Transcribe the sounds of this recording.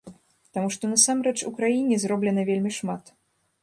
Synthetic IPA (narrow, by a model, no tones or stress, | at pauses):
t̪amuʂt̪ɔnɐsamɾɛt͡ʂṵkɾajinʲɛzɾɔblʲɛnɐvʲelʲmʲiʂmat̪